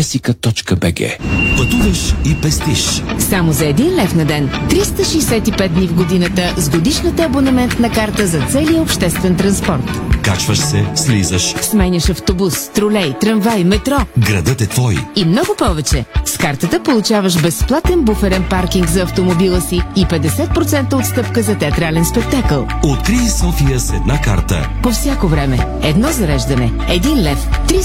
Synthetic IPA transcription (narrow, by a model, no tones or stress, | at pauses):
ɛsikət̪ɔt͡ʃkəbɛɡɛ̰pɐt̪uvɐʃipɛst̪iʃsamozɐɛd̪inlɛfnɐd̪ɛnt̪ɾist̪əʃɛɛsɛt̪ipɛt̪̚d̪nivɡod̪inət̪əzɡod̪iʃnət̪əɐbonɛmɛnt̪nɐkaɾt̪əzɐt̪sɛlijəopʃt̪ɛst̪vɛnt̪ɾɐnspɔɾt̪kat͡ʃvəʃsɛslizəʃsmɛnʲɐʃɐft̪obusːt̪ɾolɛjt̪ɾɐnvajmɛt̪ɾɔɡɾɐd̪ət̪ɛt̪vɔjimnɔɡʊpɔvɛt͡ʃɛskaɾt̪ət̪əpolˠut͡ʃavəʃbɛsplˠat̪ɛnbufɛɾɛnpaɾkiŋɡzɐɐft̪omobilˠəsiipɛd̪ɛsɛt̪̚pɾot̪sɛnt̪əot̪st̪ɤpkəzɐt̪ɛɐt̪ɾalɛnspɛk̚t̪akəlˠot̪kɾiːsɔfijəsɛd̪naka̰ɾt̪ə̰ | pofsʲjakovɾɛmɛ | ɛd̪nɔzɐɾɛʒd̪ɐnɛ | ɛd̪inlɛft̪ɾi